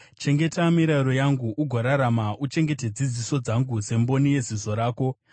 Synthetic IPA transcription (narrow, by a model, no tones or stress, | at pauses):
t͡ʃe̞ŋɡe̞tamiɾaɾo̞jaŋɡuʔuɡʱoɾaɾamaʔut͡ʃe̞ŋɡe̞te̞d͡zid͡ziso̞d͡zaŋɡuse̞mbo̞nije̞zizo̞ɾaːko̞